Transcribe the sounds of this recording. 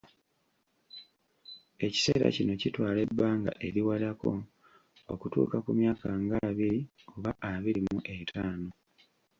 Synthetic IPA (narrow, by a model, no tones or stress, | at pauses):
e̞ci̥se̞ːɾa̰cino̞citwaːle̞bːaːŋɡa̰ʔe̞ɾiwalako̞̰ | o̰kutṵːkakumjaːkaŋɡaβiɾi | oβaʔaβiɾimuʔe̞tʰaːno̞